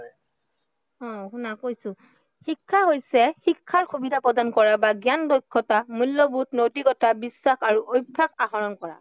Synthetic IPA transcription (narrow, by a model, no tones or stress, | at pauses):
ɔ̃xunakojsʊ̃ | hikʰːaɦojsɛxikʰːaɹxubidʱapɹɔdankɔɹabaɡjandojkʰːɔtamulːɔbutnotikɔtʰabisːaxaɹuʔojbʱːakaxɔɹɔnkɔɹa̰